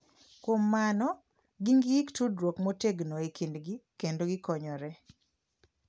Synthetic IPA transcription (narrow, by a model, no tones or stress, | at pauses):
kwomːanɔ | ɡiŋɡiktudɾwokmoteɡnoekindɡikendoɡɪkɔɲɔɾɛ